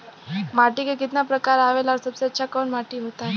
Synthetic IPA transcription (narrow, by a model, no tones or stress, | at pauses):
maʈikekit̪napɾəkaɾaʋelaɾsəbsɛt͡ɕakəɳmaʈiːɦot̪a